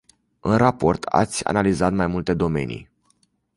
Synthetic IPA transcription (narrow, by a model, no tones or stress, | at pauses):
ɨnrapo̞rt̪ʰa̰t̪sʲa̰nalizat̪majmult̪e̞d̪o̞me̞̰nḭj